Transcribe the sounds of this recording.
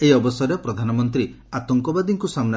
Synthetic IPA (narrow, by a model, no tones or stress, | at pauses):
eiɔbɔsɔɾepɾɔd̪ʱanɔmɔnt̪ɾi | at̪ɔŋkɔbad̪iŋkusamna